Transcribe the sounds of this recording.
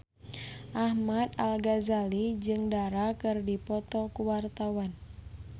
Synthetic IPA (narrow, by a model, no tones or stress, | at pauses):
ʔahmad̪alɡazalid͡ʒɨŋdaɾakɨrdipɔt̪ɔkuwart̪awan